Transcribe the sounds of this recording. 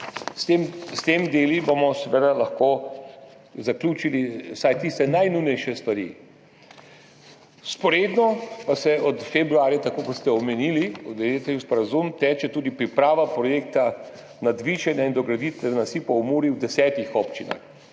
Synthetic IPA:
st̪emst̪emd̪eːlibomɔsɛʋed̪alaxkoː | zaklʲjuːt͡ʃiliwsajt̪ist̪ɛnajnujnɛjʃɛst̪ʋaɾḭ | spɔɾeːd̪nɔpasɛʔɔt̪fɛbɾuaːɾjɛt̪akoːkɔt̪st̪ɛɔmɛniliɔt̪d̪ɛjet̪ɛispɔɾazumt̪ɛːt͡ʃɛt̪uːd̪ipɾipɾaːʋapɾɔjeːk̚t̪a | nad̪ʋiːʒɛnjaind̪ɔɡɾad̪it̪ɛɛnasipɔwmuːɾiwd̪ɛsɛːt̪ixɔpt͡ʃina̰x

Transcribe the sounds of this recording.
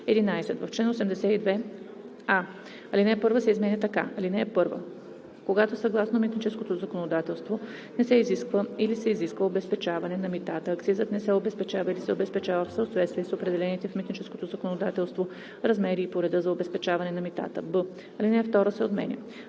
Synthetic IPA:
ɛd̪inajsɛt̪vɐft͡ʃlɛnosɛmd̪ɛsɛid̪vɛ | a | ɐlinɛpɤɾvəsɛizmɛnʲət̪ɐka̰ɐlinɛːpɤɾvə̰ | koɡat̪osɐɡlˠasnomit̪nit͡ʃɛskot̪ozɐkonod̪at̪ɛlˠst̪vo | nɛsɛiziskvəilisɛiziskvəobɛspɛt͡ʃavɐnɛnɐmit̪at̪əːkt̪sizət̪nɛsɛobɛspɛt͡ʃavəilisɛobɛspɛt͡ʃavəfsɐot̪vɛt̪st̪vʲiɛsopɾɛd̪ɛlɛnit̪ɛfmit̪nit͡ʃɛskot̪ozɐkonod̪at̪ɛlˠst̪vo | ɾɐzmɛɾiːpoɾɛd̪ɤzɐobɛspɛt͡ʃavɐnɛnɐmit̪a̰t̪əbə | ɐlinɛft̪ɔɾəsɛot̪mɛ̰nʲə̰

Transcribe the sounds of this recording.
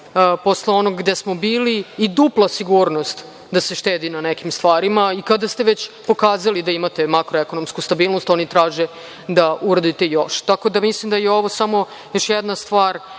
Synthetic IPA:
po̞sleo̞no̞ɡɡd̪esmo̞biːliːd̪uplˠasiɡuɾnost̪ | d̪ase̞ʃt̪eːd̪inanekimst̪ʋaːɾimaikad̪ast̪e̞ʋet͡ɕpo̞kaːzalid̪aimat̪e̞makɾoeko̞nomskust̪abiːlˠnost̪o̞nit̪ɾaːʒe | d̪auɾad̪it̪e̞joʃt̪ako̞d̪amislimd̪ajeo̞ʋosamo̞ | jo̞ʃjɛd̪nast̪ʋaːɾ

